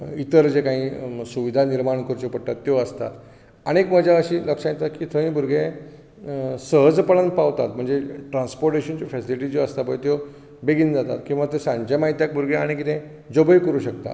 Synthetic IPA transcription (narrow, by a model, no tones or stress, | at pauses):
it̪əɾd͡ʑekãɦĩsuʋid̪ʱaniɾmaɳkəɾt͡ɕepəɽt̪at̪ːjoəst̪a̰t̪ | aɽ̃ekməd͡ʑaəɕiːləkʂãjet̪at̪kiːt̪ʰəĩbʱuɾɡẽ | səɦəd͡zpəɭanpaʋt̪at̪m̤əɳd͡zeʈɾãnspoɾʈeɕənt͡ɕifɛsiliʈiːd͡ʑoəst̪abəjt̪jo | beɡiːnd͡zat̪a̰t̪kĩw̃ʋat̪əsãɲt͡ɕamaɦit̪jak̚bʱuɾɡẽaɽ̃ikit̪ẽ | d͡zobəjkəɾuːɕək̚t̪a̰t̪